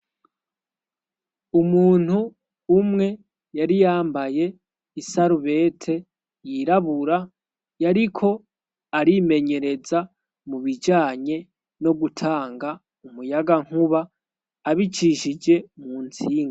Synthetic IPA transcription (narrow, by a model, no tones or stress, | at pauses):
umuːn̥huː | mŋe̞ | jaɾijaːmbaje̞ | isaɾuβe̞ːtʰe̞ | jiɾaβuɾa | jaɾikʰo̞ | aɾime̞ɲe̞ɾe̞za | muβid͡ʒaːɲe̞ | no̞ɡutʰaːŋɡa | umujaɡaŋ̥huβaː | βit͡ʃiʃid͡ʒe̞muːnt͡siːŋɡa